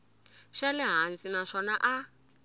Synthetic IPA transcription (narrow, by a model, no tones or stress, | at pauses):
ʃalɛɦansinaʂɔnaʔa